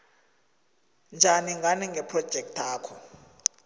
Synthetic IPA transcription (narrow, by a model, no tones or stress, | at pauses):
nd͡ʒʱaniŋɡʱaniŋɡʱɛpʰrɔd̥ʒ̥ʱɛk̚tʰaːkʰɔ